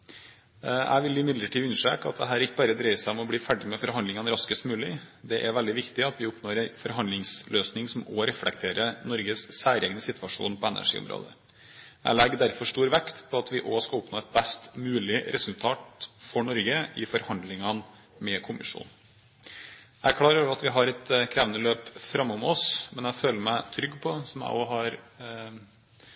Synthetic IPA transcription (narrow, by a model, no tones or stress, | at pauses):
æ̰ɪʋɪljiːmɪd̪ləʈʰiːʉnʂḛːkɑ̰t̪̚d̪ɛɦæːɾɪkːəbɑːɾəd̪ɾeɪsæɪɔmɔbliːfæɖɪmɛfɔɾɦɑnd̪ɪŋɑnɾɑskəst̪mʉːlɪd̪ɛʔæɾʋɛld̪ɪʋɪkt̪ɪɑt̪ʋɪʊpnoːɾɛnfɔɾɦɑnd̪lɪŋsløːsnɪŋsɔmɔɾɛflɛk̚t̪ʰeːɾənɔɾɡəssæːɾɛːɡnəsɪt̪ʋɑʂṵːnpʰɔɛnæ̰ʂḭːʊ̰mɾo̰ːd̪ə | ʔæ̰ɪlɛɡd̪æɾfɔʂtuːɾʋɛkt̪pʰɔɑt̪ʋɪʔoːskɑʊpnoːɛt̪̚bɛst̪mʉːlɪɾʔɛsʉlt̪ʰɑːt̪fɔɳɔɾɡəʔɪfɔɾhɑnd̪lɪŋɑn | mɛkʰʊmɪ̰ʂṵːn | ækʰɽɑːɾoʋɑt̪ʋɪɦɑɾɛt̪kʰɾæːʋənəløːpfɾɑmːɔmɔsmɛnæføːləɾmæɪt̪ʰɾʏɡːpʰɔsɔmjæ̰ɪʔoːɦɑɾ